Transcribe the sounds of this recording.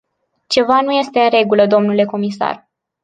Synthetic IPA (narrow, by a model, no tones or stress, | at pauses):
t͡ʃe̞van̪uje̞st̪e̞ɨnre̞ɡuləd̪o̞mnule̞ko̞misa̰r